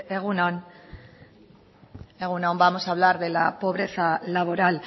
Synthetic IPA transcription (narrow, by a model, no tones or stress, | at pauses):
eɣunon | e̞ɣ̞unombamo̞saβ̞laɾðe̞lapo̞β̞ɾe̞θalaβ̞o̞ɾal